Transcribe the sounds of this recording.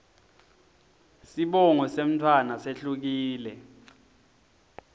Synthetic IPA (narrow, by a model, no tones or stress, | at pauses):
siɓɔŋɔsem̩tʰwanaseɬuk̬iːlɛ